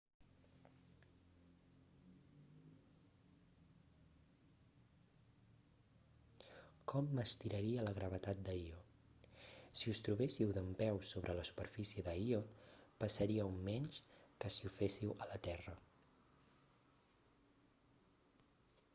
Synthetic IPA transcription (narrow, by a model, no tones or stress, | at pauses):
kɔmːəst̪iɾəɾiələɣɾəβət̪at̪̚d̪əio | siust̪ɾuβesiwðəmpɛwsoβɾʔələsu̥pəɾfisiəðəiopəsəɾiəumːɛɲʃkəsiufesiwələt̪ɛrə